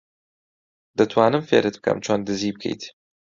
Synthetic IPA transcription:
d̪̥ɐt̪ʰwaːnɨmfeːɾɨt̪̚b̚kʰɐ̰mt͡ʃʰoːnd̪ɨziːb̚kʰḛjt̪

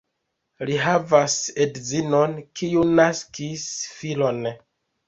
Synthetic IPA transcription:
liɦavasedzino̞nkʰiunaskisfilo̞n

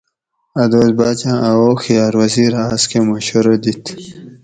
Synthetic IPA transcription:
ɐd̪oːzbaːt͡ɕãʔawoxijaːɾwʌziɾaskemoɕoɾod̪it̪ʰ

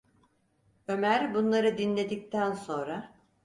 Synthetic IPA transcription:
ø̞mæɾbunlˠaɾɯd̪inlʲe̞d̪ic̚t̪ʰænso̞nɾa

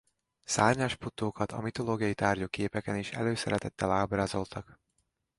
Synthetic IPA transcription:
saːrɲaːʃput̪oːkɒt̪ɒ̰mit̪o̞loːɡijɒjit̪aːrɟokeːpɛkɛniʃɛ̰løːsɛ̰ɾɛt̪ɛt̪ːɛlaːbraːzo̞lt̪ʰɒk

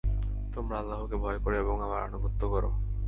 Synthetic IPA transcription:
t̪omɾaalːaɦokebʱɔekoɾeeboŋamaɾa̰nuɡʱot̪ːokɔɾo̰

